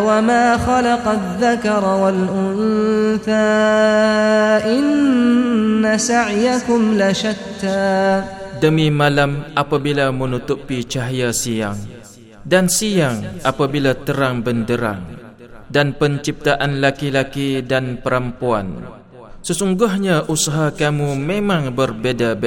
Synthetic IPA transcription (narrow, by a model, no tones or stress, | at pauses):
wamaːxɑlɑqɑðːakɑɾˤwalʔʊnθaː | ʔɪnnː | asaʕjakʊmlaʃat̪ːaːdəmimãlamʔapabilamənut̪upit͡ʃaɦjasijaŋ | dansijaŋʔapabilat̪əɾaŋbəndəɾa̰ŋ | danpəɲt͡ʃip̚t̪aʔanlakilakidanpəɾampua̰n | səsuŋɡʊɦɲaʔusaɦakamumemãŋbərbedabe